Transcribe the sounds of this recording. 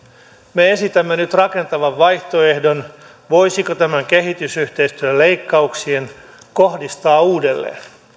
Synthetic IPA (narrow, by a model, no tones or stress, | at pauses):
meesit̪æmːenyt̪rɑke̞nt̪ɑʋɑʋʋɑjht̪o̞e̞hdo̞n | ʋojsikot̪æmæŋke̞ɦit̪ysyht̪eist̪yølejkːɑuksien | ko̞hdist̪ɑːuːdelːḛːn